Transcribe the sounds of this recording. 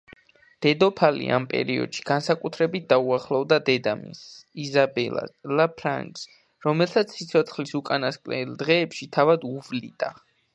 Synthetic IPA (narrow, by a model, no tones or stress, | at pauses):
d̪̥ɛd̪ɔpʰalḭʔa̰mpʼɛ̰ɾiɔ̰d̪̥ʃi̥ɡ̥ansakʼut̪ʰɾɛbit̪̚d̪auaχlˠɔvd̪ad̪ɛd̪amḭsizabɛlˠa̰lapʰɾa̰ŋks | ɾɔmɛlˠsat̪sʰːit̪sʰɔt̪sʰχlisukʼanaskʼlɛ̰ld̪ʁɛːpʃit̪ʰavad̪uvlḭd̪̥ʼa